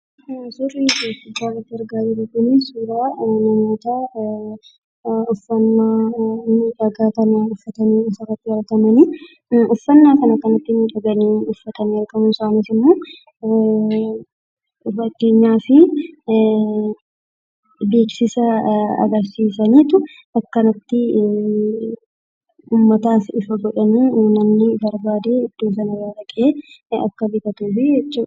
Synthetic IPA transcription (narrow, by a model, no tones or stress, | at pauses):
sʊriːifɪbaːrɐt̪ːɪɐɾɡaːd͡ʒɪɾʊkʊnɪsuːɾaːnɐmoːt̪aː | ʊfːɐnːaːnuːᶑɐɡaːkɐnɐʊfːɐt̪ɐniːɪsɐrɐt̪ːɪhɐlkɐmɐnɪ | ʔʊfːɐnːaːkɐnɐkɐnɐt̪ːɪnuːᶑɐɡɐniːʊfːɐt̪ɐnɪɐlkʼɐmʊsaːnɪsɪmːoː | fɐkːe̞ːɲːaːfɪ | be̞ːksɪsɐɐ̰ɡɐɾsiːsɐniːt̪ʊ | ʔɐkːɐnɐt̪ːɪ | uːmːɐt̪aːsɪfɐɡɔᶑɐniːuːnɐnːɪbɐɾbaːd̪e̞ːɪd̪̥ːoːsɐnɐwaːɾɐkʼe̞ː | ɐ̰kːɐbɪkɐt̪uːfɪd͡ʒɛt͡ʃːuː